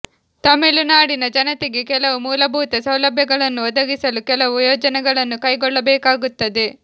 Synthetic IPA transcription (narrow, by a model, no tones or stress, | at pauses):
t̪ɐmiɭunaːɽinɐd͡ʒɐnɐt̪eɡekɛlɐʋumuːlɐbʱuːt̪ɐsɐwlɐbʱjɐɡɐɭɐnːuɔd̪ɐɡisɐlukɛlɐʋujɔːd͡ʒɐnɛɡɐɭɐnːukɐjɡɔɭːɐbɛːkaːɡut̪ːɐd̪e̞